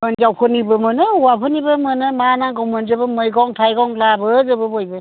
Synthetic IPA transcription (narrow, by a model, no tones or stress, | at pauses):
ənzawpʰɯnibɯmɯnɯuwapʰɯnibɯmɯnɯmanaɡɔwmɯnzɯbɯmɯjɡɔŋtʰajɡɔŋlabɯzɯbɯbojbɯ